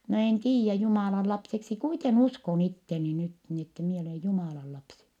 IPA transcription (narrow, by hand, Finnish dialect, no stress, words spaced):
no en tiːjːæ jumɑˑlɑn lɑpseksi kuiten uskon itːeni nyt ni etːe mie oleˑ jumɑˑlɑ lɑpsi